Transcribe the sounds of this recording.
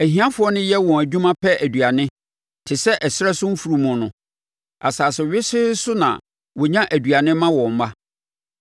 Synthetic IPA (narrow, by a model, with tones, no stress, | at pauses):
æ˨hĩ˦ã˦fʊ˨˦ɔ˦nʊ̃˦jɛ˦wɔ̃˨æ˨d͡ʑᶣũ˦mã˦pʰɛ˦æ˨dɥa˨nɪ̃˦ | tʰɪ˨sɛ˦ʔɛ˨sɪ˦ɛ˦sʊ˦m̩˦fu˨ɾu˨mʊ̃˨nʊ̃˨ | a̰˨saː˨sɛ˨ɥɪ˦sɪ˦sʊ˦nã̰˨ | wɔ˨ɲã˦ʔæ˨dɥa˨nɪ̃˦mːã˦wɔ̃˨m̩˨˦ma˦